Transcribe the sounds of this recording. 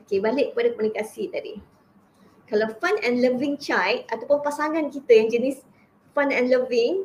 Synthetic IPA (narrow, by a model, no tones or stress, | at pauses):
okebalɪʔ̚əpadakomunikasit̪adḭ | kalawfanɛ̃nləvĩŋt͡ʃajt̪̚at̪apʊnpasaŋãnkit̪ajaŋd͡ʒənis | fanɛ̃nləvɪŋ